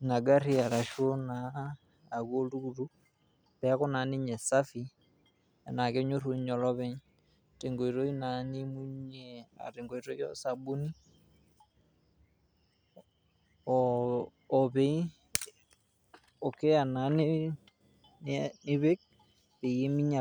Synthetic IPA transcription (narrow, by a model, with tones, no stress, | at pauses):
na˨ɡa˦ɾi˦a˨ɾa˨ʃo˦naː˨ | ɣo˦lu˦˨ɾu˦ | pɛa˦kɔ˦na˨ni˦ɲɛ˨sa˦fi˦ | a˨na˨ke˦ɲo˦ɾo˦ɲɔ˨lɔ˦βɛ˦ɲ | te˨ŋɡɔ˨i˨ɾo˦i˦na˨ni˦mu˦ɲɛa̰˨ɾe˨ŋɡɔ˨i˨ɾɔ˦i˦ɔ̰˦sa˨bu˦ni˦ | ɔ˨βɛ˦i˦ | ɔ˨ke˦a˨na˨˦ni˦ | nni˦βe˦k̚ | pe˨je˦mi˦ɲa˨